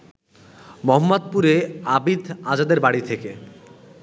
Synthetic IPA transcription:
mɔɦɔmːod̪̚puɾeabid̪ʱad͡ʑad̪eɾbaɽit̪ʰeke

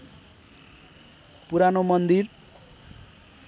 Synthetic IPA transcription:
puɾanomʌnd̪ir

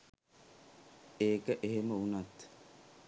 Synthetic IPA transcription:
eːkəʔeɦeməunat̪

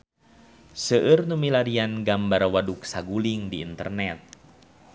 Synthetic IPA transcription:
səʔɨrnumilaɾianɡambarwaduk̚saɡuliŋdḭːnt̪ə̰rnɛt̪̚

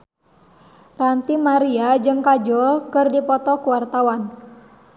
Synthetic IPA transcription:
rant̪imaɾiad͡ʒɨŋkad͡ʒɔkɨrdipɔt̪ɔkuwart̪awan

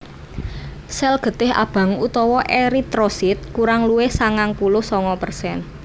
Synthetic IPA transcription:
sɛlɡ̥ə̤t̪ɪɦa̰b̥ä̤ŋut̪ɔwɔʔeɾit̪ɾosit̪̚kuɾaŋluwɪhsaŋaŋpulʊhsɔŋɔpərsɛn

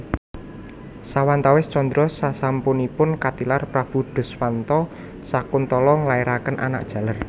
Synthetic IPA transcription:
sawant̪awɪst͡ʃɔnd̪ɾɔsasampunipʊnkat̪ilarpɾab̥ṳɖ̥ʊ̤swant̪ɔ | sakʊnt̪ɔlɔŋlaeɾakənʔa̰na̰k̚d̥ʒ̥ä̤lər

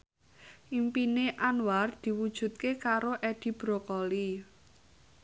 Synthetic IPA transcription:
ʔimpineʔanward̪̥i̤wud̥ʒ̥ṳt̪̚kekaɾoʔɛd̪̥i̤b̥ɾokɔli

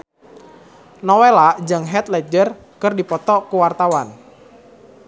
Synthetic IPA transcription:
nɔwelaʔd͡ʒəŋɦɛt̪̚lɛd͡ʒər | kərdipɔt̪ɔkuwart̪awan

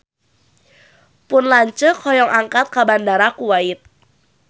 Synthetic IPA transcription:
pʊnlaɲt͡ʃəkʰɔjɔŋʔaŋkat̪̚kabandaɾakuwaɪt̪̚

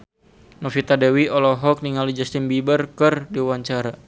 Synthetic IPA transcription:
nɔfit̪adɛwiɔlɔɦɔk̚niŋalid͡ʒast̪inbibərkɨrdiwaɲt͡ʃaɾa

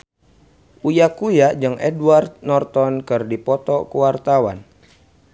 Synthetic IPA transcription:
ʔujakujaʔd͡ʒɨŋʔɛduwart̪̚nɔrt̪ɔnkɨrdipɔt̪ɔkuwart̪awa̰n

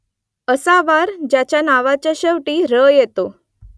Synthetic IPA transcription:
əsaʋaɾd͡ʑat͡ɕjanaʋat͡ɕjaɕəʋʈiːɾəjet̪o

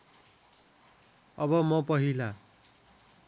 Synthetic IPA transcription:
ʌbʌmʌpʌɦila

